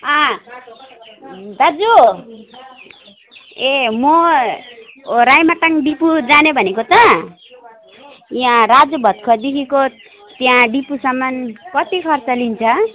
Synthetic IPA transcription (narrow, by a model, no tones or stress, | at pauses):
ʌ̃ | d̪ad͡zu | emo | ɾajmaʈaŋɖipud͡zanebʱʌnekot̪ʌ | jãrad͡zʌbʱʌt̪̚kʰʌd̪ikʰiko | t̪jãɖipusʌmːʌnkʌt̪ikʰʌrt͡sʌlint͡sʰʌ